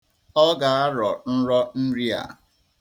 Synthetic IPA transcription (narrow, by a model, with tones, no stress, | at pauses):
ɔ˦ɡa˨a˦ɾɔ˨n̩˦ɾɔ˦n̩˦ɾi˦a̰˨